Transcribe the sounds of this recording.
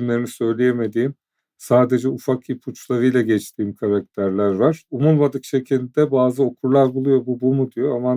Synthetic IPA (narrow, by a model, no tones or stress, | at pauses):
mlʲe̞ɾinisø̞jlʲejeme̞d̪iːim | saːd̪e̞d͡ʒɛufakipʰut͡ʃlˠaɾɯjlˠaɟɛt͡ʃt̪ʰiːimkʰaɾak̚t̪ʰæɾlʲæɾvaɾ̥umulˠmad̪ɯkʃe̞cʰilʲd̪ɛbaːzɯo̞kʰuɾlˠaɾbulˠujo̞bubumud̪ijo̞ama